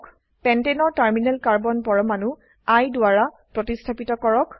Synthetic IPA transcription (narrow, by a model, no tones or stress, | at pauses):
k | pɛntenɔɹtaɹminɛlkaɹbɔnpɔɹɔmanu | ajdʊaɹa | pɹɔtistʰapitɔkɔɹɔk